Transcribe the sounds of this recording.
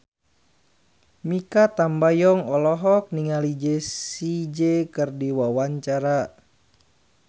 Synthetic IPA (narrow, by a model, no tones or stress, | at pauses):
mikat̪ambajɔŋɔlɔɦɔk̚niŋalid͡ʒesid͡ʒekɨrdiwawaɲt͡ʃaɾa